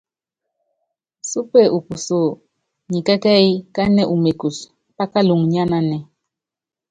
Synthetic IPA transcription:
su˦pe˦˨ʔu˨pu˨so˦˨ | ɲi˨kɛ˦kɛ˦i˦ka˦nɛ˦˨ʔu˨me˨ku˨s | pa˦ka˦lu˨ŋɲa˦na˦nɛ˨

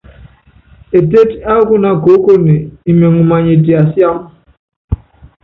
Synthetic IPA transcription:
e˨de˦ta˦ɡʊ˦na˨ɡo˨˦ko˦ne˨i˨me˨ŋu˨ma˨ɲi˨di˨a˨sja˦m˦

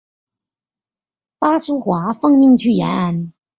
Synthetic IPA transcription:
pa˥su˥xwa˧˥fɤ˥˧ŋmi˥˧ŋt͡ɕʰy˥˩ja̰˧˥na˥˩n

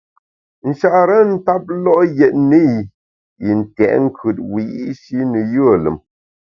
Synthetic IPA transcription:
n̩˨ʃa˦˨ʔɾə˦n̩˦ta˦p̚lɔ˦ʔjɛ˨t̚nə˦j | i˨n̩˨tɛ̰˨ʔŋ̩˦kʰʉ˨t̚wi˨jḭ˦ʔʃi˦nə˨jə˦˨lə̰˨m

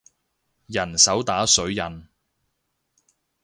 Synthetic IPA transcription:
jɐ˨˩nsɐ˨˥wt̪aː˨˥sɵ˨˧˥ɥjɐ˨˩n

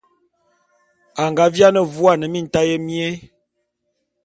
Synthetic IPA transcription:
a˨ŋɡa˨˦vja˦nə˨vu˦a˦˨nə˨mi˦n̩˨ta˦je˦mi˦e˦

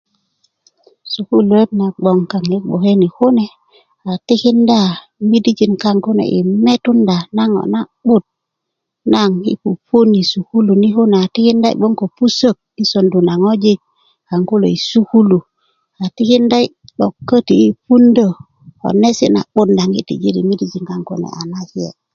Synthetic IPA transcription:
su˨ku˦lu˨e˦tna˨ɡ͡bo˨ŋka˨ŋi˦ɓo˨ke˦ni˨ho˦ne˨ | a˨ti˦ki˦nda˦˨ | mi˦di˦d͡ʒi˨nka˦˨ŋko˦nḛ˨ʔḭ˨me˦tu˦nda˨na˦ŋo̰˨na˨ɓu˦˨t̚ | na˦ŋḭ˦pu˨pu˦ni˨su˨ku˦lu˨ni˦hu˦ne˨a˨ti˦ki˦nda˦ḭ˨ɓo˦ŋko˨pu˦sə˦˨k̚i˦so˨ndu˨na˨ŋo˦d͡ʒi˦ | ka˨ŋku˦lo̰˨i˨su˦ku˦lu˨ | a˨ti˦ki˦nda˦i˦ɓo˨kːə˦ti˨i˦pu˦ndə˨ | o̰˨ne˦si˦na̰˨ɓu˦tnda˨ŋi˦tḭ˨d͡ʒi˦ɾḭ˨mi˦di˦d͡ʒi˨ŋka˨ŋko̰˦nḛ˨a˨na˦hi˦jḛ˨

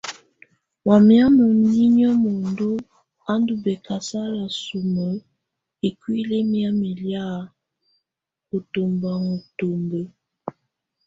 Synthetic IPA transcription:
wa˨mja˦nɔ˨ni˦ɲɔ˦mo˨ndu˦ | a˦ndu˨bɛ˨ka˨sa˦la˨su˨mə˨ | e˨kwi˦le˦mja˦mi˨lja˦˨ | ko˨to˨mba˨ŋo˨to˨mbe˦

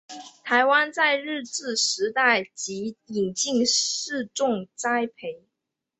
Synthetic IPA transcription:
t̪ʰa˧˥ɪwa˥nt͡sa˥˧ɪɻɻ̩˥˧t͡sɹ̩˥˩ʂɻ̩˧˥t̪a˥˩ɪt͡ɕi˧˥i˨˩ŋt͡ɕi˥˧ŋʂɻ̩˥˧ʈ͡ʂʊ˥˩ŋt͡sa˥ɪpʰe˧˥ɪ

